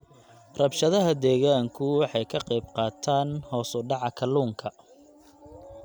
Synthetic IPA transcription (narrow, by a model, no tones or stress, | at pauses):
rɐbʃɐðɐɦɐd̪ɛːɣaːŋkʰʊwɑħɑjkʰɐqɛjb̚qɑːt̪ʰaːnhɔːsʊɖɑʕɑkʰɐluːŋkʰɐ